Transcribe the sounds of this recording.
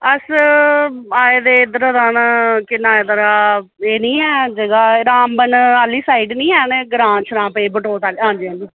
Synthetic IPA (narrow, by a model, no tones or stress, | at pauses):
əs | aːeːd̪eːd̪əɾəd̪ankɪnaːed̪əɾaː | eːnĩːɛːd͡ʒəɡaːɾaːmbənaːliːsaːiɖnĩːɛːneɡɾãːt͡ʃʰɾãːpeːbəʈoːt̪alãːnd͡ʒẽːnd̪iː